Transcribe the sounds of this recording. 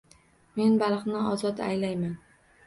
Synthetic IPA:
me̞nbalˠqnɪɒzɒt̪a̰jlajman

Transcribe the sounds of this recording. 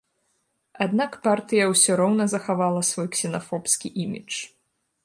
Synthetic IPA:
ad̪nakpart̪ɨjɐwsʲɔɾɔwnɐzɐxavalˠɐsvɔjksʲɛnafɔpskʲiʔimʲḭt͡ʂ

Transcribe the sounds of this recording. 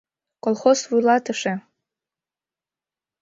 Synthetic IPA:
kolˠχoswujlˠɑtʰɨʂe

